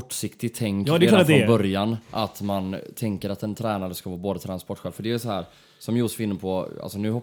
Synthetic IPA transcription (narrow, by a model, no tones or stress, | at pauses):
ɔʈːʂɪkt̪ɪɡ̚t̪ʰːɛŋkːɛːfɔnbœɾjanʔa̰t̪mant̪ʰɛŋkəɾat̪ɛnt̪ʰɾɛːnaɾəskavɑːboːd̪ət̪ʰɾanspɔʈːɧɛːlfœɖɛɛsɔɦæːɾ | sɔmjuːsfɪnːəpʰɔa̰lsɔnʉ̟ːhɔ